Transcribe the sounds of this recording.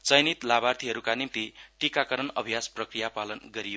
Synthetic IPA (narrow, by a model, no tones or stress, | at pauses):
t͡sʌjnit̪labart̪ʰiɦʌɾukanimt̪iʈikakʌɾʌnʌbʱijasprʌkrijapalʌnɡʌɾijo